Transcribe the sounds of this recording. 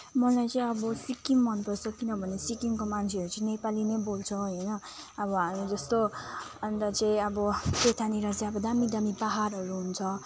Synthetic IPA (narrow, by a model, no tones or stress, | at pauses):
mʌlajt͡sʌĩʌbʌsikːimmʌnpʌsʌkinʌbʱʌnesikiŋkomant͡sʰeʌɾut͡sʌĩnepalinebolt͡sʰʌ̃ɦʌjnʌː | bʌɦamid͡zʌst̪oʌnt̪at͡sʌĩʌbʌpet̪ʰaniɾʌsjaʌbʌd̪amid̪amibaɦaɾɦʌɾuɦunt͡sʰʌ